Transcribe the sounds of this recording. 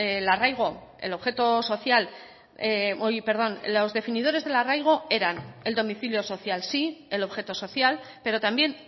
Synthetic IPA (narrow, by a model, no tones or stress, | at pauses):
elarajɣ̞o̞e̞̰lo̞βxe̞t̪o̞so̞θjal | eojpe̞ɾð̞o̞nlo̞zðe̞finið̞o̞ɾe̞zð̞e̞larajɣ̞o̞e̞ɾane̞ld̪o̞miθiljo̞so̞θjalsielo̞βxe̞t̪o̞so̞θjalpe̞ɾo̞t̪ambje̞n